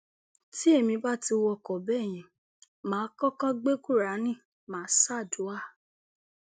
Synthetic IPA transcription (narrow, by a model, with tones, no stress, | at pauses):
ti˦e˦˨mĩ˧ba˦˨ti˧wɔ˧˨kɔ˨bɛ˦˨j̃ĩ˨ | mãː˨˦kɔ˦kã˦ɡ͡be˦ku˦˨ɾa˨˦nĩ˦˨ | mãː˨˦sa˦˨du˨˦a˦˨